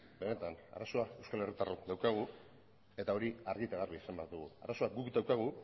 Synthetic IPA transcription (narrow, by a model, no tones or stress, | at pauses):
be̞ne̞t̪ana̰raso̞ae̞wskale̞rit̪arod̪awkaɣ̞u | e̞t̪ao̞ɾiaɾɣit̪aɣarβisambaɾd̪uɣṵa̰raso̞aɡukd̪awkaɣ̞u